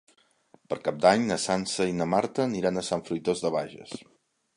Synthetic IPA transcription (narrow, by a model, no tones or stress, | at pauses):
pəɾkap̚d̪aɲnəsansəinəmaɾt̪əniɾanəsaɱfɾujt̪ozðəβ̞aʒə̰s